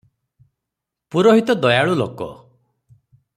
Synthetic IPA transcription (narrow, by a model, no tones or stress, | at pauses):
puɾɔɦit̪ɔd̪ɔjaɭulo̰kɔ̰